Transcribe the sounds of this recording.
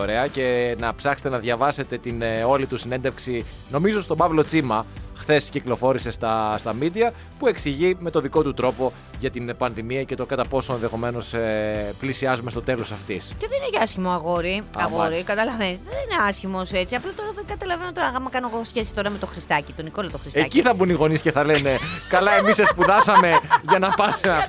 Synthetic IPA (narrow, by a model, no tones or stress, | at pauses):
oɾe̞ɐce̞nɐpsɐxst̪enɐðʝɐvɐse̞t̪e̞t̪ino̞lit̪usine̞nd̪e̞fksi | no̞mizost̪o̞bɐvlo̞t͡simɐxθe̞sciklo̞fo̞ɾise̞st̪ɐst̪ɐmid̪iɐ | pue̞ksiʝime̞t̪o̞ðiko̞t̪ut̪ɾo̞po̞ | ʝɐt̪inpɐnðimiɐce̞t̪o̞kɐt̪ɐpo̞soenðe̞xo̞me̞no̞seplisiɐzumest̪o̞t̪e̞lo̞sɐft̪isceðeninecɐsçimoɐɣoɾiɐɣoɾikɐt̪ɐlɐvenisðenineɐsçimo̞set͡siɐplɐt̪o̞ɾɐðeɡɐt̪ɐlɐve̞not̪oɐɣmɐkɐnoeɣosçe̞si̥st̪o̞ɾɐme̞t̪o̞xɾist̪ɐcit̪o̞niko̞lɐt̪oxɾisteɐciθɐbuniɣo̞nisce̞θɐle̞ne̞kɐlɐe̞misespuðɐsɐme̞ʝɐnɐpɐsimɐ